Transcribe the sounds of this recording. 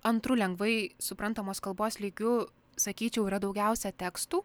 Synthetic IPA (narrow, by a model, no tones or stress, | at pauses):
ɐnt̪ɾʊlʲɛŋɡʋɐɪsʊpɾɐnt̪ɐmoːskɐlˠboːslʲiːɡʲʊ | sɐkʲiːt͡ʃʲɛʊiːɾɐd̪ɒʊɡʲɛˑʊsʲɛt̪ʲɛkst̪uː